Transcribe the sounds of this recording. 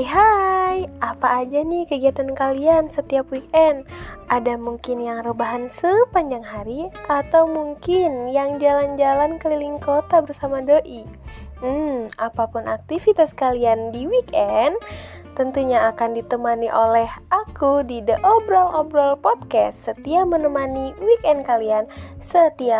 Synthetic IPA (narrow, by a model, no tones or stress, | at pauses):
ɦajapaːd͡ʒanihkəɡiat̪ankaliansət̪iapwik̚ɛnadamuŋkɪnjaŋrobaɦansəpaɲd͡ʒaŋɦaɾiʔat̪awmuŋkɪnjaŋd͡ʒaland͡ʒalankəliliŋkot̪abərsamadoʔim̩apapunʔak̚t̪ifit̪askaliandiwikɛn | t̪ənt̪uɲaːkandit̪əmaniʔolɛhakudidəʔɔbɾɔlɔbɾɔlpɔd̪̚kɛst̪sət̪iamənəmaniwikɛnkaliansət̪iap